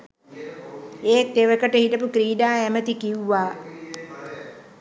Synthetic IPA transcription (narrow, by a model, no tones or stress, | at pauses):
eːk̚t̪eʋəkəʈəɦiʈəpukɾiːɖaːæmət̪ikiwːaː